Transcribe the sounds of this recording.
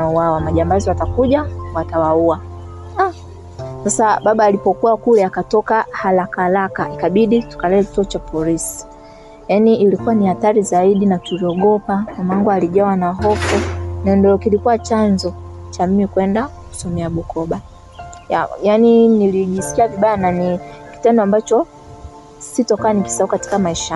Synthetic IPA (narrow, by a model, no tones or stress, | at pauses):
auwawamaʄambaziwatakuʄawatawaua | a | sasaɓaɓaːlipɔkuwakulɛakatɔkahalakalakaikaɓiɗitu̥kalɛɛki̥tuɔt͡ʃapɔlisi̥ | janiːlikuwanihaθaɾizaiɗinatuliɔɡɔpakamaŋɡualiʄawanaɦɔfunɛndɔɔkilikuwat͡ʃanzɔt͡ʃamimikwɛnda | ku̥sɔmɛaɓukɔɓa | jajaniniliʄisi̥kiaviɓajananiki̥tɛndɔambat͡ʃɔ | sitɔkaaniki̥saukati̥kamaiʃa